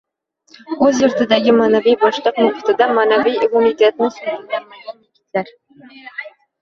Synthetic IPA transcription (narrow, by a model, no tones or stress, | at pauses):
ɵzjʊɾt̪ʰɪd̪aɡʲɪmaːnavijbɒʃlˠəqnʊqʊt̪ɪd̪amaːnavijkomit̪ʰet̪̚nɪsʊaɪɡʲanekʲɪ̥t̪laɾ